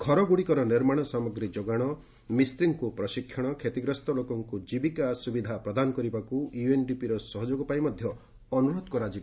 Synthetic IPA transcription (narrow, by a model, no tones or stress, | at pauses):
kʰɔɾɔɡuɽikɔɾɔniɾmaɽ̃ɔsamɔɡɾid͡ʒoɡaɽ̃ɔ | mist̪ɾiŋkupɾɔʃikʰːjɔɽ̃ɔkʰet̪iɡɾɔst̪ɔlokɔŋkud͡ʒibikasubid̪ʱapɾɔd̪anɔkɔɾibakujuenɖipiɾɔsɔɦɔd͡ʒoɡɔpajmɔd̪ʱjɔ | ɔnuɾod̪ɔkɔɾad͡ʒi